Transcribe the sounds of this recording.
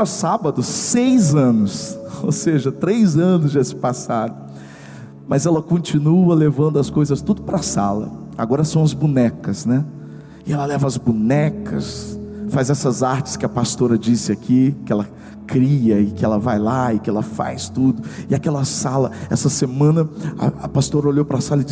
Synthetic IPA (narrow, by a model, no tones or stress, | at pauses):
ɐsabɐd̪ʊːejzɐ̃nʊso̰wseʒɐt̪ɾejzɐ̃nʊzd͡ʒesɪ̥pasad̪ʊ | mɐzɛlɐkõt͡ʃinuɐlevɐ̃nd̪ʊɐskojzɐst̪ud̪ʊpɾɐsa̰lɐ̰a̰ɡɔɾɐsɐ̃w̃ɐzbunɛkɐsnɛ | ɪɛlɐlɛvɐɐzbunɛkɐsfajzɛsɐzaɾt͡ʃɪ̥skɪɐpast̪oɾɐd͡ʒisɪakʰikɪɛlɐ | kɾiɐɪkɪɛlɐvajlaɪkɪɛlɐfa̰jst̪ud̪ʊɪakɛlɐsalɐɛ̰sɐsemɐ̃nɐɐ̰ɐpast̪oɾɐoʎowpɾɐsalɐɪd͡ʒi